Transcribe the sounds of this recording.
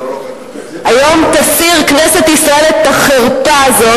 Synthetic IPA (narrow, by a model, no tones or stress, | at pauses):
ajo̞mt̪afiʁkneset̪isʁae̞let̪̚aχeʁtazo̞